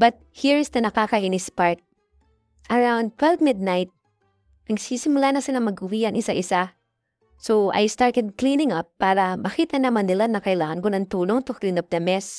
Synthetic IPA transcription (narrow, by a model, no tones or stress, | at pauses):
bɐt̪̚hiɹɪsd̪ɐnɐkakahinɪspaɹt̪̚ | ʔɐɹawnd̪̚t̪ʰwɛlvmɪd̪̚najt̪̚ | nɐɡsisɪmʊlanɐsɪlaŋmɐɡʔʊwiɐŋʔɪsaʔɪsa | soʔa̰jst̪aɹt̪ɛd̪̚klĩnɪ̃ŋɐpːaːɾɐmɐkiːt̪ɐnɐmanːɪlanɐkɐɪlaːŋɐnkʊnɐnt̪uːloŋt̪oklinɐp̚d̪ɐmɛs